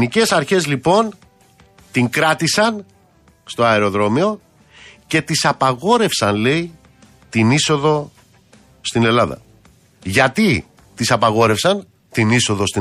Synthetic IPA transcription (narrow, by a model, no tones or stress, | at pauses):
nice̞sɐɾçe̞zlipo̞n | t̪iŋkɾɐt̪isɐn | st̪o̞ɐeɾo̞ðɾo̞mio̞ | ce̞t̪isɐpɐɣo̞ɾe̞fsɐnle̞i | t̪iniso̞ðo̞ | st̪ine̞lɐðɐ̰ | ʝɐt̪i | t̪isɐpɐɣo̞ɾe̞fsɐn | t̪iniso̞ðo̞st̪i